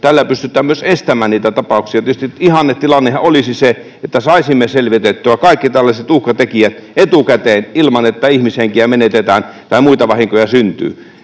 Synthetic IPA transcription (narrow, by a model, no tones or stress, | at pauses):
t̪ælːæpyst̪yt̪ːˑæːmmyøsest̪æmæːniːt̪æt̪ɑpɑˑuksiɑt̪iøst̪iihɑnːett̪ilɑnːehɑolisise | et̪ːæsɑˑisimːeselʋit̪et̪ːyækɑˑikːit̪ælːæset̪uhkɑt̪ekiæt̪et̪ukæt̪eːnilmɑnet̪ːæihmiseŋkiæmenet̪et̪æːnt̪ɑimuit̪ɑʋɑhiŋkojɑsynt̪y̰ː